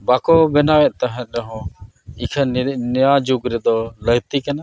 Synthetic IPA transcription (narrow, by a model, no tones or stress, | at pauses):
bakɔbɛnawɛʔt̪aɦɛ̃t̪ɾɛɦɔ̃ | ikʰənjad͡ʒuɡɾɛd̪ɔləɡt̪ikana